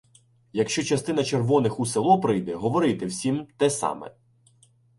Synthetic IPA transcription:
jɐkʃt͡ʃɔt͡ʃɐst̪ɪn̪ɐt͡ʃerʋɔnɪxuselˠɔpɾɪjd̪ɛɦɔʋɔɾɪjt̪ɪwsʲimt̪ɛsɑ̰mɛ̰

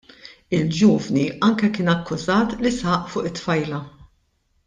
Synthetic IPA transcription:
ɪld͡ʒuːvniʔɐŋkɛkɪːnɐkːʊzɐːt̪lɪsɐʔfʊːʔɪt̪ːfɐjlɐ

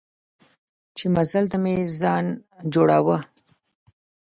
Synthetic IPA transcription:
t͡ʃemazalt̪amezɑnd͡ʒoɽawə

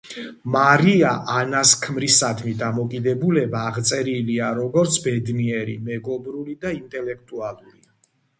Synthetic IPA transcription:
maɾiaʔanaskʰmɾisad̪ʰmid̪amɔkʼid̪ɛbulɛbaːʁt̪sʼɛɾiliaɾɔɡɔɾt̪sʰbɛd̪niɛɾḭmɛɡɔbɾulid̪aint̪ʼɛlɛk̚ʰt̪ʼualˠuɾi

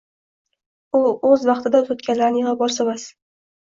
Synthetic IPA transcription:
ʊɵzvɑχt̪ʰɪd̪azot̪kʲanlaɾnɪjɪʁabɒɾsamas

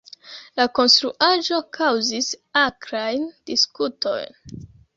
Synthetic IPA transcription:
lako̞nstɾuʔaʒo̞kʰawzisakɾajnd̥iskuto̞̰jn

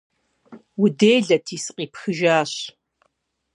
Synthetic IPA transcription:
wʊdeːjɮɐtʰiːsɨqʼiːpxɨʒaːɕ

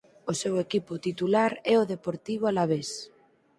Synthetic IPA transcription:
osewekipʊt̪it̪ulaɾɛoðepoɾt̪iβ̞oalaβes

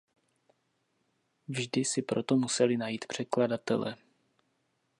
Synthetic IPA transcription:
vʒdɪsɪpɾo̞t̪o̞musɛlɪnajiːt̪pr̝̥ɛkladat̪ɛ̰lɛ̰

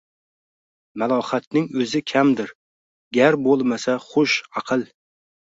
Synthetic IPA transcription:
malˠɒhat̪̚nɪŋɵzɪkʲʰamd̪ɪɾ | ɡʲaɾbolˠmasaχoʃɑqʰɨlˠ

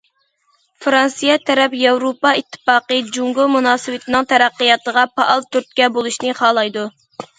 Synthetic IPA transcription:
fɾɑnsijɛt̪ʰɛɾɛpjɑwɾopɑit̪ʰːɨ̥pɑːqəd͡ʒuŋɡʊlˠmunɑːsɨwɪt̪ʰɪnɨŋt̪ʰɛɾæqːəjɑt̪əʁɑpʰɑʔɑlˠt̪ʰyɾt̪̚kʲɛbolˠuʃnɪχɑːlˠɑjd̪u

